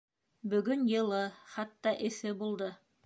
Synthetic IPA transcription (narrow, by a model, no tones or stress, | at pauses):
bɵ̆ɡɵnjɤ̆lˠɤχɑt̪ːɑʔɘ̆θɘbulˠd̪ɤ